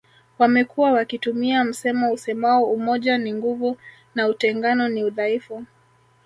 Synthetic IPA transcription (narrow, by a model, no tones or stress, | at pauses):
wamɛkuwawakitumiam̩sɛmausɛmaɔumɔʄaniŋɡuvu | nautɛŋɡanɔniuðaifu